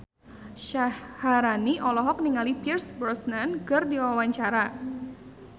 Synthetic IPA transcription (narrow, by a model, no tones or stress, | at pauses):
ʃahhːaɾaniʔɔlɔɦɔk̚niŋalipirsbɾɔsnankɨrdiwawaɲt͡ʃaɾa